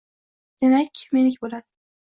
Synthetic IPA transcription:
d̪̥e̞makʲmenɪkʲbolad̪ɪ

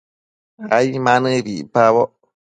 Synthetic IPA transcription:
aimãnɨβipaβɔ

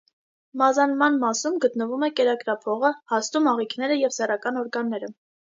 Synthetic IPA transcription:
mɑzɑnmɑnmɑsumɡət̪nəvumɛkɛɾɑkɾɑpʰɔʁəhɑst̪umɑʁikʰnɛɾəjɛvsɛrɑkɑnɔɾɡɑnːɛɾə

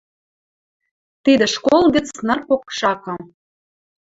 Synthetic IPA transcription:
t̪id̪eʃkolˠɣə̆t͡snə̆rpokʃɑkɤ̆

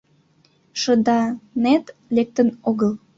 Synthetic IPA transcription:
ʃəd̪ɑnet̪lek̚t̪ənoɣəl

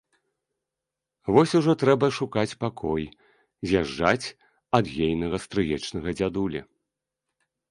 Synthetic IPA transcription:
vɔsʲuʐɔt̪ɾɛbɐʂukat͡sʲpakʰɔj | zʲaʐd͡ʐat͡sʲ | ɐd̪ɣʲejnɐɣɐst̪ɾɨjɛt͡ʂnɐɣɐd͡zʲad̪ulʲɐ̰

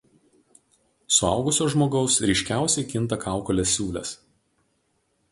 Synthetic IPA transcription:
sʊɑˑʊɡʊsʲoːʒmoːɡɔʊsɾʲɛɪʃʲkʲæˑʊsʲɛɪkʲɪnˑt̪ɐkʰɑˑʊkɔlʲeːsʲːuːlʲɛ̰s

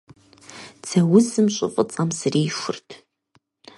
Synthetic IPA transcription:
t͡sʰɐwʊzɨmɕʷʼʊ̰fʼət͡sʼɐmsriːʃʊ̰rtʰ

